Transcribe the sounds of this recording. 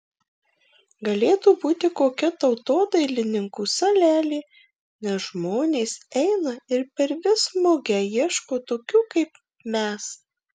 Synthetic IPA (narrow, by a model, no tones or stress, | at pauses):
ɡɐlʲeːt̪uːbuːt̪ʲɪkoːkʲɛt̪ɐʊt̪oːd̪ɐɪlʲɪnʲɪŋkuːsɐlʲæːlʲeː | nʲɛsʒmoːnʲeːsɛɪnɐɪɾpʲɛɾʋʲɪsmoːɡʲɛjiɛʃkoːt̪oːkʲuːkɐɪp | mʲɛs